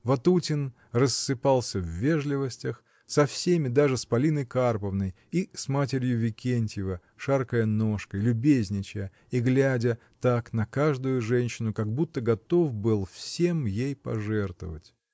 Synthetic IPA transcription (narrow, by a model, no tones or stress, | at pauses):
vɐt̪utʲɪn | rəsːɨpalˠsʲəvːʲe̞ʐlʲɪvəsʲtʲəx | sɐfsʲemʲɪd̪aʐɨspɐlʲinəjkarpəvnəj | ismat̬ʲɪɾʲjʊvʲɪkʲenʲtʲjɪvə | ʂarkəjənoʂkəjlʲʊbʲezʲnʲɪt͡ɕə | iɡlʲædʲə | t̪aknɐkaʐd̪ʊjʊʐɛnʲɕːɪnʊkɐɡ̚but̪ːəɡɐt̪o̞fbɨlˠfsʲe̞mjejpɐ̰ʐɛrt̪və̰vətʲ